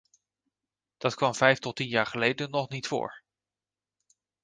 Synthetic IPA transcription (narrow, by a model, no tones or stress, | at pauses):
d̥ɑtkʋɑmvɛjftɔtinjaːɹχəlejdənːɔχnitfʊ̰ːɹ